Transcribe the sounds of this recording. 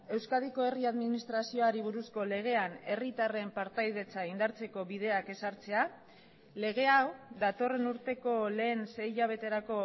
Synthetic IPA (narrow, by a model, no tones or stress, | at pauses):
e̞wskað̞iko̞e̞riaðminist̪ɾasio̞aɾiβ̞uɾusko̞le̞ɣ̞e̞ane̞rit̪are̞mpaɾt̪ajð̞e̞t͡saind̪aɾt͡se̞ko̞βiðe̞ake̞saɾt͡se̞a | le̞ɣe̞awd̪at̪o̞re̞nuɾt̪e̞ko̞le̞ːnse̞jʎaβ̞e̞t̪e̞ɾako̞